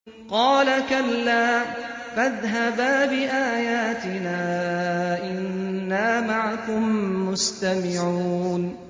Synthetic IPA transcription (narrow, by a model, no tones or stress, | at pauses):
qɑːlakalːaː | faðɦabaːbɪʔaːjaːt̪ɪnaːʔɪnːaːmaʕakʊmːʊst̪amɪʕuuːn